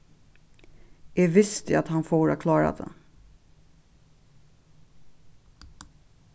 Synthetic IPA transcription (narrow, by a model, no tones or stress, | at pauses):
ɛvɪst̪at̪hanfoːɾa̰kʰlɑːɾa̰d̪ɛ̰